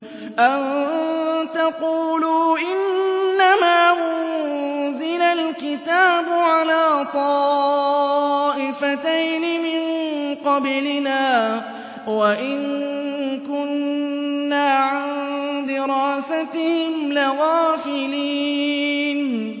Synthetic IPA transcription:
ʔan | t̪aquːluːʔɪnːamaːʔʊ | zɪlalkɪt̪aːbʊʕalaːt̪ˤɑː | ʔɪfat̪ajnɪmɪnqɑblɪnaː | waʔɪn | kʊnː | aːʕand̪ɪɾaːsat̪ɪhɪmlɪɣaːfɪliːn

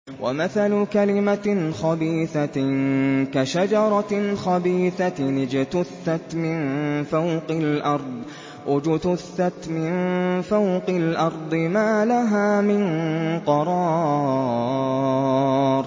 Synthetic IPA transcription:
wʔa̰maθalʊkalɪmaxɑbiːθa | kaʃad͡ʒɑɾˤɑxabiːθanɪd͡ʒt̪ʊθːat̪mɪnfawqɑlʔɑɾˤd̪ˤ | wʔad͡ʒʊt̪ʊθːat̪mɪnfawqɪlʔɑɾˤd̪ˤɨmaːlaɦaːmɪnqɑɾˤɑː | ɾ

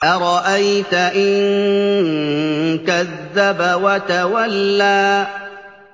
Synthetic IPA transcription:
ʔaɾˤɑʔajt̪aʔɪn | kaðːabawat̪awalːaː

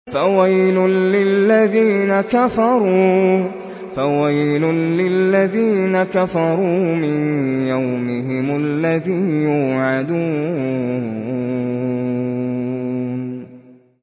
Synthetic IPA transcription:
fawajlʊːɪlːaðiːnakafɑɾˤuː | fawajlʊːɪlːaðiːnakafɑɾˤuːmɪnjawmɪɦɪmʊlːaðiːnjuːʕad̪uː

